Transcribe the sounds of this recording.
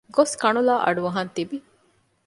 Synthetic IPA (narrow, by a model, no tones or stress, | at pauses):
ɡoskɐɳulaːʔɐ̰ɖuʋɐɦɐnt̪ibi